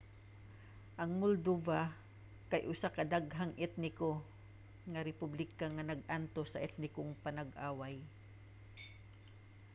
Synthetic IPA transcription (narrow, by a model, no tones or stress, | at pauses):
ʔɐŋmʊld̪uba | kɐjʔʊsakɐd̪aɡɦaŋʔɛt̪̚nɪko | ŋɐɾɛpublɪkaŋanɐɡ̚ʔant̪osːɐʔɛt̪̚nɪkoŋpɐnɐɡʔaːwaj